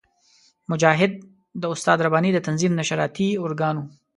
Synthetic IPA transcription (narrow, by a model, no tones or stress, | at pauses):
mʊd͡ʒɑːɦɪd̪̚ː | əʊst̪ɑd̪ɾabɑːnid̪ət̪anzimnaʃaɾɑːt̪iʊɾɡɑnu